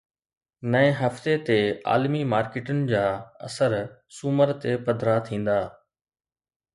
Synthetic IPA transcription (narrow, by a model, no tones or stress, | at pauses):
nɐẽɦɐft̪et̪ea̰ːlmimaːɾkɪʈənɪ̆d͡ʑaːɐ̰səɾsʊməɾt̪epɐd̪ʱɾat̪ʰĩːn̆d̪aː